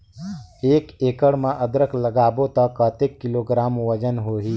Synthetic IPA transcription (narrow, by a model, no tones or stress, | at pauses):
eːkeːkəɽmãʔəd̪ɾəkʰləɡaːbõt̪əkːət̪ekːɪloːɡɾaːmʋəd͡ʒənɦoːɦiː